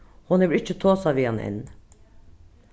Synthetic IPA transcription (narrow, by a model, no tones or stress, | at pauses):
hɔnɛʋɾɪt͡ʃːət̪ʰoːsɑʋiːɑnʔɛ̰n